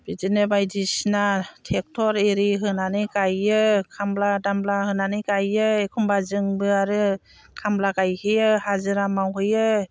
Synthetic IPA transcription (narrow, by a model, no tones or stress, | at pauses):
b̥izinɯbajdisnatʰek̚tʰɔɾeɾiɦɯnanɯjkajɯkʰambladamblahɯnanɯjkajɯekʰumbazɯŋbɯaɾɯ | kʰamblakajhɯjɯhazɯɾamawɦɯjɯ